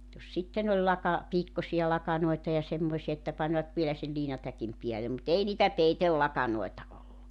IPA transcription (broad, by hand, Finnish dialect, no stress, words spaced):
jos sitːen olʲ lɑkɑ piːkːosiɑ lɑkɑnoitɑ jɑ semːoĭsiɑ etːæ pɑnʋɑt ʋielæ sel liːnɑtækim piæle mut ei niːtæ peitelːɑkɑnoetɑ olːu